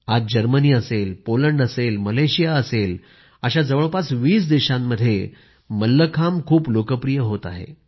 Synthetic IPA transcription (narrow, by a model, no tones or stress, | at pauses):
ad̚d͡ʑəɾməniːəselpoləɳɖəselməleɕijaəsel | əɕad͡zəʋəɭpat͡sʋiːsd̪eɕamːəd̪ʱːje | məlːəkʰamkʰuːplokəpɾijəɦot̪aɦḛ